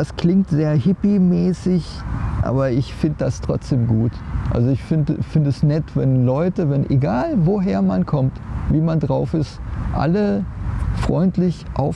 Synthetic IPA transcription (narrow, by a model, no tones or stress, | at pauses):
askl̥ɪŋktz̥eːɐɦɪpimɛːsɪçʔa̰ːbɐɪçfɪndəd̥astʁ̥ɔ̰t͡sd̥eːmɡuːtʔa̰lzoɪçfɪndəfɪndəɛsnɛtvɛnlɔʏtəvɛnʔeɡaːlvoɦeːɐmankʰɔmtviːmandʁaʊfɪstʔa̰lə | fʁ̥ɔʏntlɪçʔa̰ʊf